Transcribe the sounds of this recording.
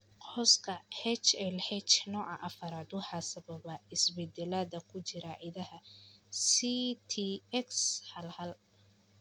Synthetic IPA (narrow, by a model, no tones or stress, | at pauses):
qʰɔːskʰɐhɛt͡ʃɛlhɛt͡ʃnɔːʕɑʔɐfɐɾaːd̪ʊħɑsɐβɐbɐɪsbɛd̪ɛlaːd̪ɐkʰʊt͡ʃɪɾɐʕɪðɐhɐsit̪ʰiɛkshɐlhɐl